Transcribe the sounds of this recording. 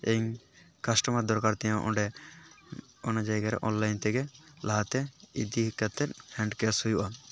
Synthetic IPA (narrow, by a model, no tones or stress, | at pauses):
eɲ | kasʈɔmad̪ɔɾkaɾt̪ɛjãʔɔ̃ɖɛ | ɔnad͡ʒajɡaɾɛ̰ʔɔnlajnt̪ɛɡɛlaɦat̪ɛid̪iɦikːat̪ːɛt̪̚hɛɳɖkɛshujuʔa